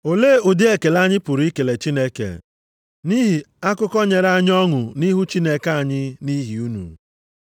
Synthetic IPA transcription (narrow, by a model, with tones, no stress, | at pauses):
o˨le˦˨u˨dɪ˦e˨ke˨la˦ɲɪ˦pʊ˨ɾi˦ke˨le˨t͡ʃi˦ne˦kḛ˨ | ni˦ɦi˨ | a˦kʊ˦kɔ˦ɲe˨ɾa˦ɲ˦ɔ˦ŋʊ˨ni˦ɦu˦t͡ʃi˦ne˦ka˦a˨ɲɪ˦ni˦ɦi˨u˦nṵ˨